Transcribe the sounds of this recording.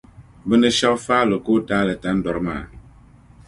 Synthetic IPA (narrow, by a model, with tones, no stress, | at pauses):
bə˦nə˦ʃa˦kfaː˦lo˨ko˦taː˦lə˨ta˦n̩˦dɔ˨ɾma̰ː˨